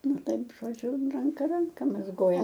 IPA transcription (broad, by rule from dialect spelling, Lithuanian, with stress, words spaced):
ˈnʊ ˈtɐɪp ʒoːˈd͡ʒʲʊ rɐŋˈkɐ ˈrɐŋkɐ mɐzˈɡoːjɛ